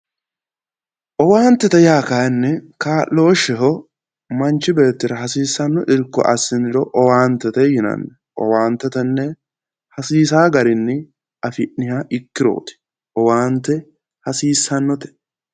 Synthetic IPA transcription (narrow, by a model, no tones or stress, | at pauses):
ʔɔwaːnt̪ːɛt̪ɛjaːkaɛnːɛkaːʔlo̞ːʃɛɦɔ | mɐnt͡ʃːɪbeːt̪ːɪɾɐɦɐsiːsːɐnːɔʔɪɾkːɔ̰ʔɐsɪnɪɾɔʔɔwaːnt̪ɛt̪ɛjɪnɐ̰nːɛ | ʔɔ̰waːnt̪ːɛt̪ɛnːɛ | hɐsiːs̬aːɡɐɾɪnːɪ | ʔɐfɪʔnɪhaʔɪkːɪɾo̰ːt̪ɪ̥ | ʔɔwaːnt̪ɛ | hɐsiːsːɐnːɔt̪ɛ̥